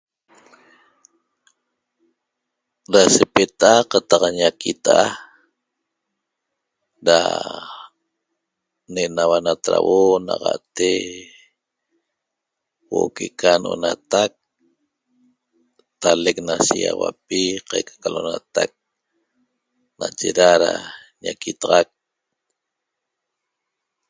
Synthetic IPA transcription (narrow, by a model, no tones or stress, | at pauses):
dasepet̪aqat̪ɑqaɲakit̪a | da̰ | neʔnawanat̪ɾawonaqa̰ʔt̪e | wokekʰanonat̪ak̚ | t̪alek̚nasiawapiqajkʰḁkalʔonat̪ak̚ | nat͡ʃeɾaɾa | ɲakit̪ɑʁɑk̚